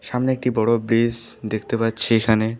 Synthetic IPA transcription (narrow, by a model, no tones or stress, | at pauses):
ʃamneek̚ʈibɔɽoblisd̪ekʰt̪epatːɕʰeekʰane